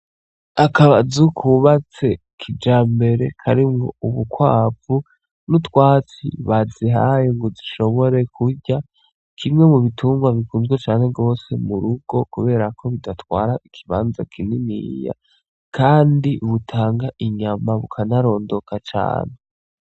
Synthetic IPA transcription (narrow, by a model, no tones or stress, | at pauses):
akʰaβazukʰuβat͡se̞ | kʰid͡ʒaːmbe̞ɾe̞kʰaɾimŋo̰uβukwaːvu | nutwaːt͡sḭβaziɦajoŋɡoziʃo̞βo̞ɾe̞kʰuɾɟa | kʰimŋe̞muβitʰuːmɡwaβikuːnzɡwet͡ʃaːne̞ɡɡo̞ːse̞̰muɾuɡ̥o̞kuβe̞ːɾakʰo̞βidatwaːɾaʔikʰiβa̰ːnza̰kʰininḭja̰ | kʰaːndiʔuβutʰaːŋɡaʔiɲamaβukʰanaɾo̞ːndo̞kat͡ʃa̰ːne